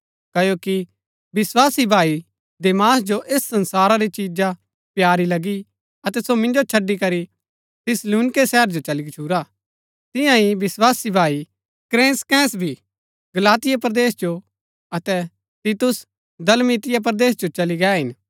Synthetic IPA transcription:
kɐjoki | bɪswaːsibʱaːi | d̪eːmaːsd͡ʒoʔeːsːɐ̃nsaːɾaɾit͡ʃid͡ʒa | pjaːɾilɐɡi | ɐt̪ɛsomɪ̃nd͡ʒot͡ʃʰɐɖikɐɾi | t̪ʰɪsluːnɪkesɛːɦəɾd͡ʒot͡ʃɐlikt͡ʃʰuːɾa | t̪ɪ̃jãɦibɪswaːsibʱaːi | kɾẽːnskɛ̃ːsbʱi | ɡɐlaːt̪ɪjapɾɐd̪eːsd͡ʒo | ɐt̪ɛ | t̪iːt̪ʊs | d̪ɐlmit̪ɪjap̬ɾɐd̪eːs̬d͡ʒot͡ʃɐliɡɛːɦɪn

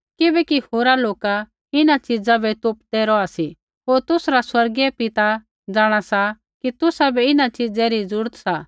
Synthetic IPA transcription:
kɪbɛkihoːɾaloːka | ɪnat͡ʃɪd͡zabɛt̪ʊpd̪ɛɾɔasi | ɦoːɾt̪ʊsɾaswɐɾɡɛpɪt̪a | d͡zaːɽ̃asa | kit̪ʊsabɛɪnat͡ʃɪd͡zɛɾid͡zʊɾt̪sa

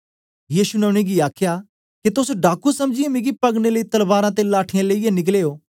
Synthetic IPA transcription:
jiːsunɛʊ̃ɽ̃eɡiaːkʰja | kit̪ʊsɖaːkusɐmd͡ʒiemẽːɡipɐɡneləit̪ɐlbaːɾãt̪̬elaːʈʰɪjãleijenɪk̬leːoː

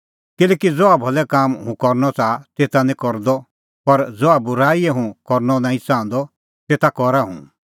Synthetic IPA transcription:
kɪlɛːkid͡zɔabʱɔlɛkaːmɦũkɔɾnɔt͡sat̪eːt̪anĩkɔɾd̪ɔ | pɐɾd͡zɔabʊɾaːiɛɦũkɔɾnɔnãːĩt͡sãːnd̪ɔ | t̪eːt̪akɔɾaɦṵ̃

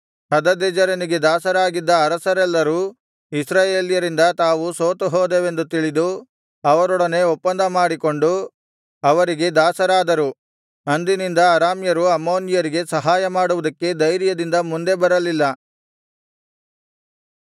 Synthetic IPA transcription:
hɐd̪ɐd̪ed͡ʒɐɾɐniɡe̞d̪aːsɐɾaːɡid̪ːɐːɾɐsɐɾɛlːɐɾuː | isɾaːje̞ːljɐɾind̪ɐt̪aːʋusoːt̪uɦoːd̪eʋe̞nd̪ut̪iɭid̪u | ɐʋɐɾɔɽɐne̞ɔpːɐnd̪ʱɐmaːɽiko̞ɳɖu | ɐʋɐɾiɡe̞d̪aːsɐɾaːd̪ɐɾu | ɐnd̪inind̪ɐːɾaːmjɐɾuɐmo̞ːnjɐɾiɡe̞sɐɦaːjɐmaːɽuʋud̪ɐkːe̞d̪ɐjɾjɐd̪ind̪ɐmund̪e̞bɐɾɐlilːɐ

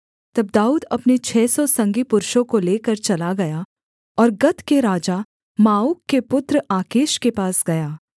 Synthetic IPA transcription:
t̪ɐb̚d̪aːuːd̪ɐpnet͡ʃʰɛːsɔsɐ̃ŋɡipʊɾʃõkoleːkɐɾt͡ʃɐlaɡɐja | ɔːɾɡɐt̪keɾaːd͡ʒa | maːuːkːepʊt̪ɾaːkeːʃkepaːsɡɐjaː

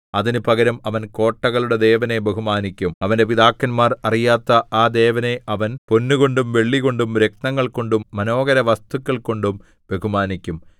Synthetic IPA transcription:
ɐðinupɐɣɐɾɐmɐʋɐnko̞ːʈːɐɣɐɭuɽed̪e̞ːʋɐne̞be̞ɦumaːnikʲːumɐʋɐnde̞piðaːkːɐnmaːrɐrijaːt̪ːɐaːd̪e̞ːʋɐne̞ʔɐʋɐnpo̞nːuɣo̞ɳɖumʋe̞ɭːiɣo̞ɳɖumɾek̚nɐŋːɐɭko̞ɳɖumːɐno̞ːɣɐɾɐʋɐst̪ukʲːɐɭko̞ɳɖum | be̞ɦumaːnikʲːum

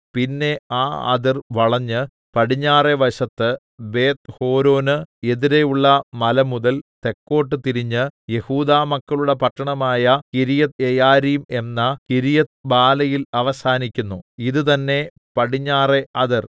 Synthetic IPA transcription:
pinːe̞aːɐ̰ðirʋɐɭɐɲːɨ | pɐɽiɲːaːre̞ʋɐɕɐt̪ːɨ | be̞ːt̪ho̞ːɾo̞ːnɨeðiɾe̞juɭːɐmɐlɐmuðɐlt̪e̞kːo̞ːʈːɨt̪iɾiɲːɨje̞huːðaːmɐkːɐɭuɽe̞pɐʈːɐɳɐmaːjɐkiɾijɐt̪ejaːɾijume̞nːɐkiɾijɐt̪baːlɐjilɐʋɐsaːnikʲːunːuiðɨt̪ɐnːe̞ | pɐɽiɲːaːreɐðir

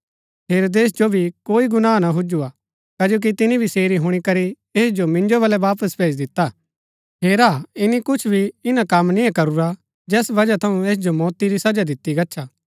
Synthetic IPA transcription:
ɦeːɾoːd̪eːs̬d͡ʒobʱikoːiɡʊnaːnaɦʊd͡ʒua | kɐd͡ʒoːk̬it̪ɪnibʱiseːɾiɦʊɽ̃ikɐɾi | eːsd͡ʒomɪ̃nd͡ʒoβɐlɛʋaːpəsbʰʱeːd͡ʒd̪ɪt̪ːa | ɦeːɾaːɪnikʊt͡ʃʰbʱiɪnakɐmnɪ̃jãkɐɾuɾa | d͡ʒɛːsbɐd͡ʒat̪ʰɐũeːs̬d͡ʒomɔːt̪iɾisɐd͡ʒad̪ɪt̪ːiɡɐʃʰaː

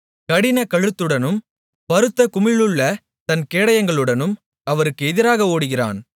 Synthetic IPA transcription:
kɐɽɪnɐkɐɻɯt̪ːɯɽɐnɯm | pɐɾɯt̪ːɐkʊmɪɭɯɭːɐ | t̪ɐnkeːɽɐjɐŋɡɐɭɯɽɐnɯm | ɐʋɐɾɯkːɯɛðɪɾaːɣɐoːɽɯɣɪra̰ːn

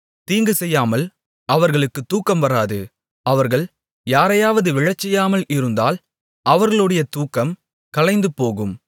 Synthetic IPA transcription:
t̪iːŋɡɯsɛjːaːmɐl | ɐʋɐɾɣɐɭɯkːɯt̪ːuːkːɐmʋɐɾaːðɯ | ɐʋɐɾɣɐɭ | jaːɾɐjaːʋɐðɯʋɪɻɐt͡ʃːɛjːaːmɐlɪɾɯnd̪a̰ːl | ʔɐʋɐɾɣɐɭɯɽɐjɐt̪uːkːɐm | kɐɭɐɪnd̪ɯpːoːɣɯm

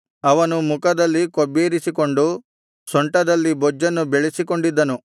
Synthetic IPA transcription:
ɐʋɐnumukɐd̪ɐlːikobːeːɾisikoɳɖu | sɔɳʈɐd̪ɐlːibɔd͡ʒːɐnːubeɭisikoɳɖid̪ːɐnu

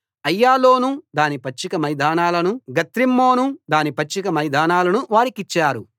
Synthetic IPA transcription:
ɐjːaːlo̞ːnud̪aːnipɐt͡ʃːikɐmɐjd̪aːnaːlɐnuɡɐt̪ɾimːo̞ːnud̪aːnipɐt͡ʃːikɐmɐjd̪aːnaːlɐnuʋaːɾikit͡ʃːaːɾu

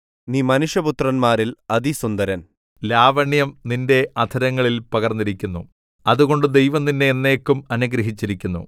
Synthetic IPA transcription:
niːmɐnuʂjɐput̪rɐnmaːɾilɐðisund̪ɐɾɐn | laːʋɐɳjɐmninde̞ʔɐd̪ʰʱɐɾɐŋːɐɭilpɐɣɐrnːiɾikʲːunːṵ | ɐðuɣo̞ɳɖɨd̪e̞jʋɐmninːeːnːeːkːumɐnuɡɾɐɦit͡ɕːiɾikʲːunːṵ

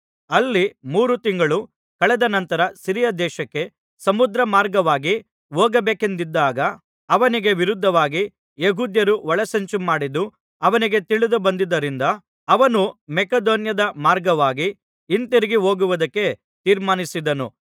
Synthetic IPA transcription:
ɐlːimuːɾut̪iŋɡɐɭu | kɐɭɛd̪ɐnɐnt̪ɐɾɐsiɾijɐd̪ɛːʃɐkːe̞ | sɐmud̪ɾɐmaːɾɡɐʋaːɡi | ʋoːɡɐbeːke̞nd̪id̪ːaːɡɐ | ɐʋɐniɡe̞ʋiɾud̪ʱːɐʋaːɡi | jeɦuːd̪jɐɾuʋɐɭɐsɐɲt͡ʃumaːɽid̪ːu | ɐʋɐniɡe̞t̪iɭid̪ubɐnd̪id̪ːɐɾind̪ɐː | ʋɐnumɛkɐd̪oːnjɐd̪ɐmaːɾɡɐʋaːɡiː | nt̪iɾiɡiɦoːɡuʋɐd̪ɐkːe̞ | t̪iːɾmaːnisid̪ɐnu

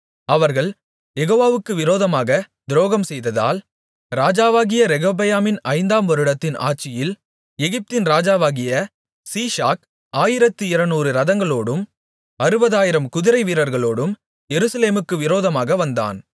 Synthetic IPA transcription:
ɐʋɐɾɣɐɭ | jɛɣoːʋaːʋɯkːɯʋɪɾoːðɐmaːɣɐ | d̪ɪɾoːɣɐmsɛjðɐða̰ːl | ɾaːd͡ʒaːʋaːɣɪjɐɾɛɣoːbɐjaːmɪnɐɪnd̪aːmʋɐɾɯɽɐt̪ːɪna̰ːʈ̚t͡ʃːɪjɪl | ɛɣɪp̚t̪ɪnɾaːd͡ʒaːʋaːɣɪjɐ | siːʂaːk | aːjɪɾɐt̪ːɯɪɾɐnuːɾɯɾɐðɐŋɡɐɭoːɽɯm | ɐɾɯbɐðaːjɪɾɐmkʊðɪɾɐɪʋiːɾɐɾɣɐɭoːɽɯm | jɛɾɯsɐleːmɯkːɯʋɪɾoːðɐmaːɣɐʋɐnd̪a̰ːn

